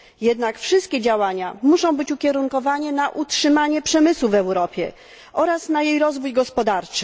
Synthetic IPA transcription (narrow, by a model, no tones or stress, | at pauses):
jɛd̪nakfʂɘst̪̚kʲɛd͡ʑawaɲamuʂɔ̃w̃bɘt͡ɕukʲɛɾuŋkɔvaɲɛnaʔutʂɘmaɲɛpʂɛmɘswuvɛwɾɔpʲjɛ̰ | ʔɔɾasnajejɾɔzvujɡɔspɔd̪aɾt͡ʂɘ̥